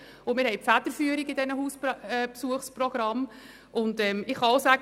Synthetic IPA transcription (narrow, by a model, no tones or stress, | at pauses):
ʊmɪːɾhɛjpfæd̪əɾfyːəɾiɡɪdɛnəɦuːspɛpsuəχsprɔɡ̥ɾɑm | ʔʊndɛmɪχɑʊsæɡ